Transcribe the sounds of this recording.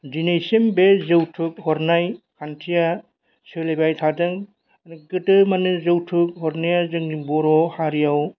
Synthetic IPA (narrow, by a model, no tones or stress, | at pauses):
d͡ʒinejsembezɯwtʰɯk̚hɔɾnajkʰantʰija | sɯlebajtʰadɯŋ | nɯɡɯtɯmanɯzɯwtʰɯk̚ɦɔɾnijazɯŋibɔɾɔhaɾijaw